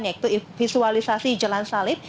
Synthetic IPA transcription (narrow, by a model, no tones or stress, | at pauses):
njak̚t̪uifisualisasid͡ʒəlansalɪp̚